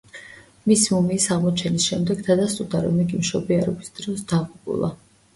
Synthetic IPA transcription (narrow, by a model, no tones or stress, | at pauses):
misimumiːsaʁmɔt͡ʃʰɛnisʃɛmd̪ɛɡd̪ad̪ast̪ʼuɾd̪aɾɔ̰mɛɡimʃɔbiaɾɔbisd̪̥ɾɔsd̪aʁupʼṵlˠa̰